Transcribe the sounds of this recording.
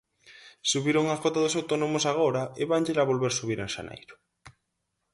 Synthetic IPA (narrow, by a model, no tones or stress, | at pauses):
suβiɾoŋakot̪aðʊsawt̪onomʊsaɣ̞oɾɐeβaɲʎelaβolβeɾsuβiɾḛŋʃa̰nḛjɾʊ̥